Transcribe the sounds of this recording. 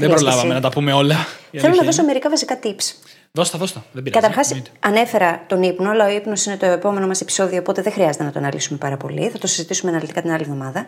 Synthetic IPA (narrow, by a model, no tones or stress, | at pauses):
ðebɾolɐvɐmenɐt̪ɐpume̞o̞lɐθelonɐðo̞soɐme̞ɾikɐvɐsikɐt̪ips | ðost̪ɐðost̪ɐðebiɾkɐt̪ɐɾxɐsɐne̞fe̞ɾɐt̪o̞nipno̞ɐlɐo̞ipno̞sine̞t̪o̞epo̞me̞no̞mɐsepi̥so̞ðio̞ːpo̞t̪e̞ðexɾiɐzet̪e̞nɐt̪o̞ɐnɐliksume̞pɐɾɐpo̞̰lḭθɐt̪o̞si̥zit̪isumeɐnɐlit̪ikɐt̪inɐlivðo̞mɐðɐ